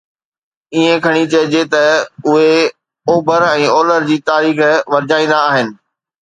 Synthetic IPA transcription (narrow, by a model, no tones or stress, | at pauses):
iẽkʰɐɽ̃it͡ɕɐɦd͡ʑet̪ɐʊɦe | oːbʱəɾɛ̃ːoːləɾd͡ʑiːt̪aːɾiːxʋɐɾɪd͡ʑaːĩːnd̪aːɦɪnɪ̆